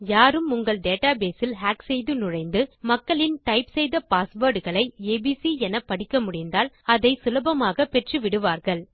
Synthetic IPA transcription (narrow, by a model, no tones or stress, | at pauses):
jaːɾɯmʊŋɡɐɭɖeːʈaːbeːsɪlɦaːksɛjðɯnʊɻɐɪnd̪ɯmɐkːɐɭɪnʈɐɪpsɛjðɐpaːsʋoːɖɯɣɐɭɐɪeːbiːsiɛnɐpːɐɽɪkːɐmʊɽɪnd̪aːl | ɐðɐɪsʊlɐbɐmaːɣɐpɛʈrɯʋɪɽɯʋaːɾɣɐɭ